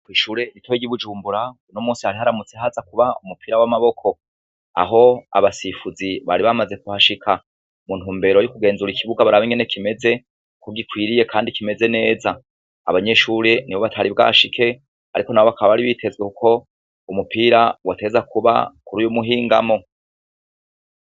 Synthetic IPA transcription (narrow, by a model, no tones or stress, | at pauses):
kwiːʃuːɾe̞nitwoeɡiβud͡ʒuːmbuɾaunomuːnsihaɾiɦaɾamut͡seɦazakuβaumupʰiːɾawamaβo̞kʰo̞ | a̰ɦo̞a̰βasifuziβaɾiβamaze̞kuhaʃikʰa | mun̥huːmbe̞ːɾo̞jukuɡe̞ːnzuɾikʰiβuɡaβaɾaβeŋɡene̞kʰime̞ze̞ | kuɡikwiːɾije̞kʰaːndikime̞ze̞ne̞ːza̰ː | βaɲe̞ʃuɾeniβo̞βatʰaɾibɡa̰ʃikʰe̞ | aɾiko̞naβoakaβaβaɾiβiːtʰe̞zwekuko̞ | umupiːɾawate̞zakʰuβa̰kuɾujomuɦiːŋɡa̰mo̞